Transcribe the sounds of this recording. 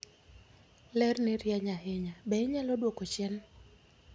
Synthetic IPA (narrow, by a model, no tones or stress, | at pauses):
lɛrnɪɾjaɲaɦɪɲabɛɲalodwokot͡ʃɛn